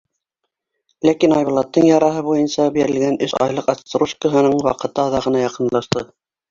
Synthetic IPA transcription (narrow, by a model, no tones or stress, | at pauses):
lækinɑjβŏlˠɑt̪ːɤɴjɑɾɑɦɤbujɤnsɑbiɾɘ̆lɡænɵsɑ̰jlˠɤqɑst̪ɾuʃkəɦɤ̆nɤɴwɑqɤ̆t̪ɤɑðɑʁɤ̆nɑjɑqɤ̆nlˠɑʃt̪ɤ